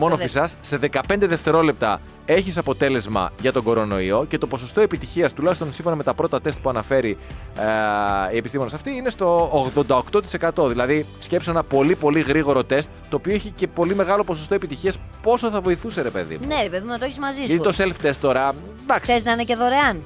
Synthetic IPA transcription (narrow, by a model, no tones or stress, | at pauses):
monnoisɐsse̞ðe̞kɐpe̞nd̪eðe̞ft̪e̞ɾo̞le̞p̚t̪ɐ̰ | e̞çisɐpo̞t̪e̞le̞zmɐ̰ʝɐt̪o̞ɡo̞ɾo̞no̞̰ḭo̞ce̞t̪o̞po̞so̞st̪o̞e̞pit̪içiɐst̪ulɐçist̪o̞nsiɱfo̞nɐmet̪ɐpɾo̞t̪ɐt̪e̞st̪̚puɐnɐfe̞ɾi | iepist̪imo̞nesɐft̪iinest̪o̞ːɣðond̪ɐokt̪o̞t̪ise̞kɐt̪o̞ðilɐðisce̞psoenɐpo̞lipo̞liɣɾiɣo̞ɾo̞t̪e̞st̪t̪ːo̞ːpioeçice̞po̞limeɣɐlo̞po̞s̬ost̪oepit̪içiɐspo̞soθɐvo̞iθuse̞ɾe̞pe̞̰ðḭmunneɾepeðimnɐt̪oeçizmɐzisʝɐt̪it̪o̞selft̪e̞st̪ːo̞ɾɐ | d̪ɐkseznɐineceðoɾeɐn